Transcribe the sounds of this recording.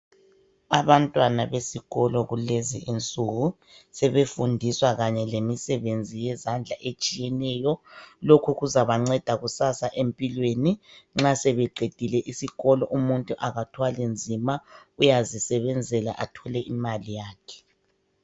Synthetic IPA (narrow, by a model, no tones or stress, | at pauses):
aβantʼwanaβesiɣɔlɔɣuleziʔint͡sʼuɣu | sɛβefundʱiswaɣaɲɛlemisɛβend͡zʱijɛzand͡ɮʱaʔet͡ʃʼijɛnɛjɔlokʰuɣuzaβaŋ͡ǀɛd̥ʱaɣusasaʔempʼilweniŋ͡ǁasɛβɛǃed̥ʱilɛʔisiɣɔlɔʔumuntʼuʔaɣatʰwalend͡zʱimaujazisɛβɛnd͡zʱɛla̰ʔatʰɔlɛʔimalijaːkʰɛ̥